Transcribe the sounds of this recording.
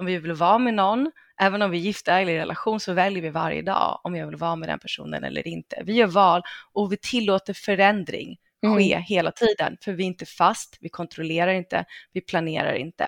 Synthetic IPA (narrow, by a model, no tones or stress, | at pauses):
ɔmvɪvɪlvɑːmɛnɔnː | ʔɛːvənɔmvɪjɪft̪ɛːɡlɪɾɛlʔaɧuːnsɔvɛljəɾvɪva̰ɾjə̰d̪ɑ̰ːɔmjɑːɡvɪlvɑːmɛd̪ɛ̰npʰæʂṵːnə̰nɛ̰lːə̰ɾɪnt̪ə̰vɪjœːvɑːlʔɔvɪt̪ʰɪlːoːt̪əɾfœɾɛnd̪ɾɪ̰ŋ | ɧeːheːlat̪ʰiːd̪ə̰nfœɾvɪɪnt̪əfast̪vɪkʰɔnt̪ɾɔleːɾaɾɪnt̪ə̰vɪpʰlaneːɾa̰ɾɪ̰nt̪ə